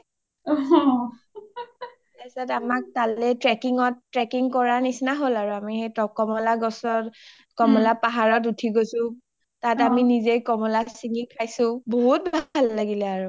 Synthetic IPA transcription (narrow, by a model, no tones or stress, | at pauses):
ɛsatamak̚talɛtɹɛkiŋɔtːɹɛkiŋkɔɹanisnaɦolaɹuamixejtɔkɔmɔlaɡɔsɔt | kɔmɔlapaɦaɹɔtutʰiɡosʊ̃ | tataminizejkɔmɔlasiŋikʰajsʊ̃boɦut̚bʱalːaɡilɛaɹu